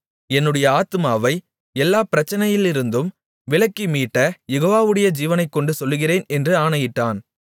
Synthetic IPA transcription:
ɛnːɯɽɐjɐaːt̪ɯmaːʋɐɪ | ɛlːaːpɪɾɐt͡ʃːɐnɐjɪlɪɾɯnd̪ɯm | ʋɪɭɐkːimiːʈːɐjɛɣoːʋaːʋɯɽɐjɐd͡ʒiːʋɐnɐɪkːɔɳɖɯsɔlːɯɣɪreːnɛndrɯaːɳɐjɪʈːaːn

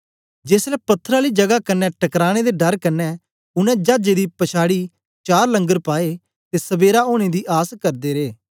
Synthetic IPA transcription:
d͡ʒeːslɛːpɐt̪ʰːəɾaːliːd͡ʒəɡakɐnːɛʈəkɾaːɽ̃ed̪eːɖəɾkɐnːɛː | ʊnɛ̃ːd͡ʒaːd͡ʒeːd̪iːpəʃʰaːɽiː | t͡ʃaːɾlə̃ŋɡəɾpaːe | t̪eːsəbeːɾaoːñed̪iːʔaːskɐɾd̪eːɾeː

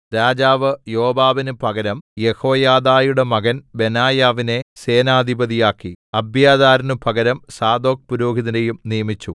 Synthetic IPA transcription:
ɾaːd͡ʑaːʋɨjo̞ːbaːʋinɨpʰɐɣɐɾɐmje̞ho̞ːjaːd̪aːjuɽe̞mɐɡɐnbe̞naːjaːʋine̞se̞ːnaːd̪ʱibɐðijaːkːiɐbʱjaːd̪aːɾɐnɨpɐɡɐɾɐmsaːd̪o̞ːk̚puɾoːɡiðɐnejumnijɐmit͡ɕːu

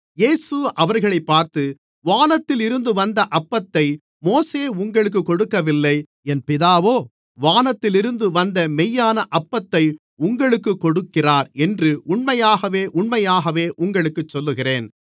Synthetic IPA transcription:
jeːsɯʔɐʋɐɾɣɐɭɐɪpːaːɾt̪ɯ | ʋaːnɐt̪ːɪlɪɾɯnd̪ɯʋɐnd̪ɐʔɐpːɐt̪ːɐɪ | moːseːʊŋɡɐɭɯk̬ːɯkːɔɽɯkːɐʋɪlːɐɪ | ɛnpɪðaːʋoː | ʋaːnɐt̪ːɪlɪɾɯnd̪ɯʋɐnd̪ɐmɛjːaːnɐʔɐpːɐt̪ːɐɪ | ʊŋɡɐɭɯkːɯkːɔɽɯkːɪraːɾɛndrɯʔʊɳmɐjaːɣɐʋeːʔʊɳmɐjaːɣɐʋeːʔʊŋɡɐɭɯkːɯt͡ʃːɔlːɯɣɪreːn

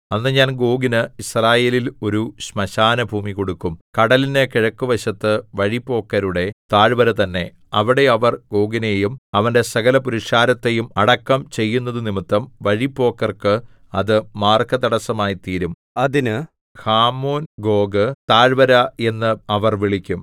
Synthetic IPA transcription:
ɐnːɨɲaːnɡo̞ːɡinɨisraːje̞ːlilo̞ɾuɕmɐɕaːnɐbʱuːmiko̞ɽukːumkɐɽɐlinekiɻɐkːuʋɐɕɐt̪ːɨʋɐɻipːo̞ːkːɐɾuɽe̞t̪aːɻbɐɾɐt̪ɐnːe̞ | ɐʋiɽe̞ɐʋɐrɡo̞ːɡine̞jumɐʋɐnde̞sɐɣɐlɐpuɾiʂkaːɾɐt̪ːe̞jumɐɽɐkːɐmt͡ɕe̞jːunːɐðɨnimit̪ːɐmʋɐɻipːo̞ːkːɐrkɨ | ɐðɨmaːrkɐt̪ɐɽɐsɐmaːjit̪iːɾum | ɐðinɨ | haːmo̞ːnɡo̞ːɡɨt̪aːɻbɐɾɐe̞nːɨɐʋɐrʋiɭikʲːum

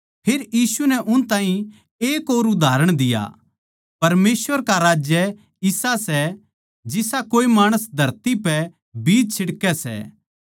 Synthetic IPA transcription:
pʰeːɾjiːsunɛʔʊnt̪ãːɦĩ | eːkoːɾʊd̪ʱaːɾəɽ̃d̪ɪja̰ | pɐɾmeːsʋəɾkaɾaːd͡ʒjə | ɪsasɛ | d͡ʒɪsakoːimaːɽ̃əsd̪ʱɐɾt̪ipɛ | biːd͡ʒt͡ʃʰɪɽkɛsɛ̰ː

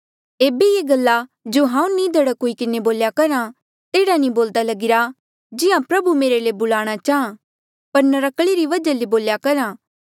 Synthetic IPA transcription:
eːbejeːɡɐlːad͡ʒoːɦãːũnĩd̪ɐɽakoːikɪneboːljakɐɾã | t̪eːɽanĩboːld̪alɐɡɪɾa | d͡ʒɪjãpɾɐbumeːɾelebʊlaːɽ̃at͡ʃaːɦã | pɐɾnɐɾɐkɭiɾiʋɐd͡ʒaleboːljakɐɾãː

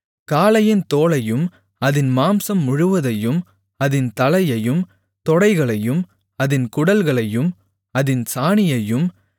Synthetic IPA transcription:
kaːlɐjɪnt̪oːɭɐjɯm | ɐðɪnmaːmsɐmːʊɻɯʋɐðɐjɯm | ɐðɪnt̪ɐlɐɪjɐjɯm | t̪ɔɽɐɪɣɐɭɐjɯm | ɐðɪnkʊɽɐlɣɐɭɐjɯm | ɐðɪnsaːɳɪjɐjɯm

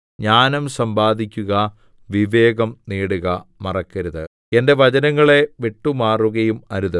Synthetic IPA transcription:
ɲaːnɐmsɐmbaːd̪ʱikʲːuɣɐ | ʋiʋe̞ːɡɐmniːɽuɣɐmɐrɐkːɐɾuðɨ | e̞nde̞ʋɐd͡ʑɐnɐŋːɐɭe̞ʋeʈːumaːruɣɐjumɐɾuðɨ

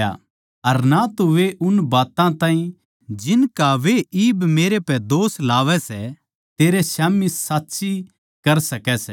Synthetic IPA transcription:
a̰ | ɐɾnat̪oʋeʔʊnbaːt̪ãt̪ãːɦĩ | d͡ʒɪnkaʋeiːbmeːɾepɛd̪oːslaːʋɛsɛ | t̪eːɾesaːmisaːt̪ːʃi | kɐɾsɐkɛsɛ

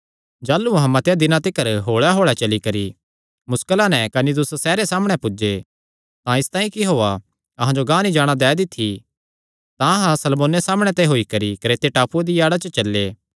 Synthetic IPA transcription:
d͡ʒaːlːuɐɦãmɐ̃t̪jad̪ɪnãt̪ɪkəɾɦoːɭaɦoːɭat͡ʃɐlikɐɾi | mʊskəlãnɛkɐnid̪ʊssɛːɾesaːməɽ̃ɛpʊd͡ʒe | t̪ãɪst̪ãːĩkiɦoːa | ɐɦãd͡ʒoɡãːnid͡ʒaːɽ̃ad̪ɛːd̪ɪt̪ʰːi | t̪ãɐɦãsɐlmoːnesaːməɽ̃ɛt̪eɦoːikɐɾikɾeːt̪eʈaːpuad̪ijaːɽat͡ʃət͡ʃɐlːeː

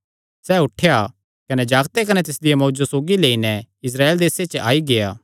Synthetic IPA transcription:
sɛːʊʈʰeja | kɐnɛd͡ʒaːɡt̪ekɐnɛt̪ɪsd̪ɪjamoːd͡ʒosoːɡileːinɛɪs̬ɾaːeːld̪eːset͡ʃəʔaːiɡejaː

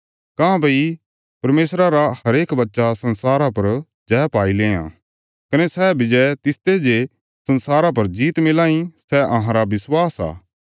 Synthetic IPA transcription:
kãːbɐi | pɐɾmeːsɾaɾahɐɾeːkbɐtːʃasɐ̃nsaːɾapɐɾ | d͡ʒɛːpaːilẽːã̰ː | kɐnesɛːbɪd͡ʒɛt̪ɪst̪ed͡ʒe | sɐ̃nsaːɾapɐɾd͡ʒiːt̪mɪlãːĩsɛɐɦãɾabɪswaːsa̰ː

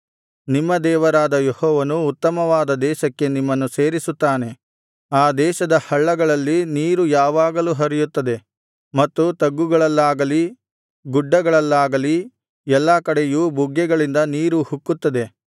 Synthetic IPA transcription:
nimːɐd̪ɛːʋɐɾaːd̪ɐjehɔːʋɐnuːt̪ːɐmɐʋaːd̪ɐd̪ɛːʃɐkːe̞nimːɐnːuse̞ːɾisut̪ːaːne̞ | aːd̪ɛːʃɐd̪ɐhɐɭːɐɡɐɭɐlːiniːɾujaːʋaːɡɐluːɦɐɾijut̪ːɐd̪e̞ | mɐt̪ːut̪ɐɡːuɡɐɭɐlːaːɡɐli | ɡuɖːɐɡɐɭɐlːaːɡɐli | ɛlːɐkɐɽe̞jubʱuɡːɛɡɐɭind̪ɐniːɾuhukːut̪ːɐd̪e̞

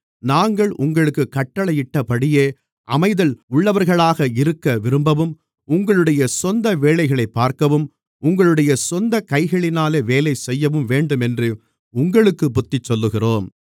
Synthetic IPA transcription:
naːŋɡɐɭʔʊŋɡɐɭɯkːɯkːɐʈːɐɭɐjɪʈːɐpɐɽɪjeː | ʔɐmɐɪðɐlʊɭːɐʋɐɾɣɐɭaːɣɐɪɾɯkːɐʋɪɾɯmbɐʋɯm | ʊŋɡɐɭɯɽɐjɐsɔnd̪ɐʋeːlɐɪɣɐɭɐɪpːaːɾkɐʋɯm | ʊŋɡɐɭɯɽɐjɐsɔnd̪ɐkɐɪɣɐɭɪnaːleːʋeːlɐɪsɛjːɐʋɯmʋeːɳɖɯmɛndrɯ | ʊŋɡɐɭɯkːɯpʊt̪ːɪt͡ʃːɔlːɯɣɪroːm

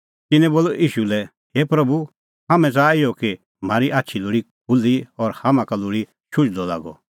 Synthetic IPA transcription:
t̪ɪnɛ̃boːluʔiːʃulɛ | hepɾɐbu | hamɛ̃t͡saːɪjɔki | m̤aːɾiʔaːtːʃʰilʊːɽi | kʊlːiɔɾhamãkalʊɽi | ʃʊt͡ʃd̪ɔla̰ːɡɔ̰

